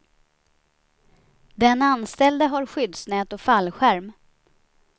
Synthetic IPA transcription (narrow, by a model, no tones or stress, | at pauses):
d̪ɛnanst̪ɛld̪əɦaɾɧʏd̪snɛːt̪ɔfalːɧæɾm